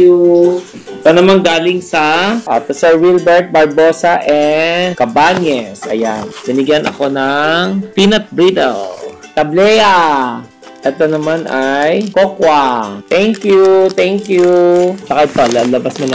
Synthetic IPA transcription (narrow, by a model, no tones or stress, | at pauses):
u | ɛt̪onɐmanɡaːlɪŋsɐʔa̰pɪsɛɹwilbɛɹt̪̚bɐɹboːsɐʔɛkɐbaɲɛsʔɐ̰ja̰nb̥ɪnɪɡjanʔɐ̰ko̞nɐŋpinɐt̪̚bɹid̪ɐ̰l | t̪ɐblɛja | ʔɛt̪onɐmanʔajkokwɐt̪ɛŋkjut̪ɛŋkjut͡ʃɐkaʔɪt̪olalɐbasmʊnɐ